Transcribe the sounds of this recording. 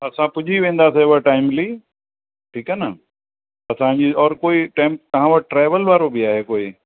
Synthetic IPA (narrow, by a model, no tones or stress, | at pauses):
ɐsãpʊʄʱiʋẽːn̆d̪aːseʊʋəʈaːɪmliː | ʈʰiːkanə | ɐsãɲd͡ʑiɔːɾkoːiʈẽːmp̚t̪ɐɦãʋɐɾʈɾaːʋəlʋaːɾobɪaːɦekoːi